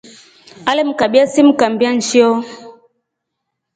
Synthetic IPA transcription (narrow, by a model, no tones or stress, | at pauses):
alɛm̩kabiasim̩kambian̩t͡ʃiɔ